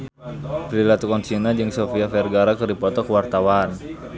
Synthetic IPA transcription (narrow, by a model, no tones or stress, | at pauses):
pɾilat̪ukɔnt͡ʃinad͡ʒɨŋsɔfiafɛrɡaɾakɨrdipɔt̪ɔkəwart̪awan